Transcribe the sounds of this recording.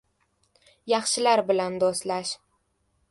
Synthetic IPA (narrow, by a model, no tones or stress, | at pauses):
jɑχʃɪlaɾbɪland̪ost̪laʃ